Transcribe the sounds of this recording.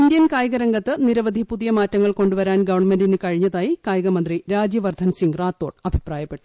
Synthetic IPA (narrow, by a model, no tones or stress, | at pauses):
indjɐnkaːjɐɣɐɾɐŋɡɐt̪ːɨniɾɐʋɐd̪ʱipuðijɐmaːtːɐŋːɐɭko̞ɳɖuʋɐɾaːnɡɐʋɐɳmendinɨkɐɻiɲːɐðaːjikaːjɐɣɐmɐnd̪riɾaːd͡ʑjɐʋɐrd̪ʱɐnsiŋɡraːt̪ːo̞ːʈɐbʱipraːjɐpːe̞ʈːu̥